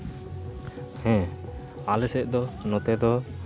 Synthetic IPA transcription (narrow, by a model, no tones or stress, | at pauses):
hɛ̃ | alɛsɛʔd̪ɔnɔt̪ɛd̪ɔ